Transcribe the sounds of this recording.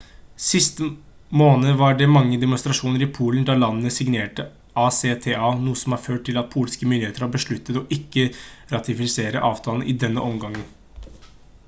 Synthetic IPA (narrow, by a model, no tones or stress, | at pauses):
sɪst̪ə | moːnəʋɑɖɛmɑŋːəd̪ɛmʊnst̪ɾɑʂuːnəɾɪpʰuːln̩d̪ɑlɑnːənəsɪɡneːʈə | ʔɑːseːt̪ʰeːɑːnuːəsɔmhɑːɾføːʈ̚ʈ̪ʰːɪlɑt̪̚pʰuːlskəmʏnd̪ɪheːt̪əɾhɑːbəʂɭʉt̪ːət̪ɔʔɪkːəɾɑt̪ɪfɪseːɾə̰ʔɑːʋt̪ʰɑːln̩ʔɪ̰d̪ɛnːəʔɔmɡɑŋːən